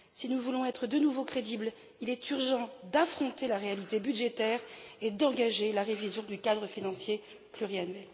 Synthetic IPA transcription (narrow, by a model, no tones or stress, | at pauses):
sinuvulɔ̃ɛt̪χəd̪ənuvokχed̪ibl | ilɛt̪yʁʒɑ̃d̪afχɔ̃t̪elaʁealit̪ebyd̪ʒet̪ɛːʁed̪ɑ̃ɡaʒelaʁevizjɔ̃d̪ykad̪ʁəfinɑ̃sje | plyʁianɥɛl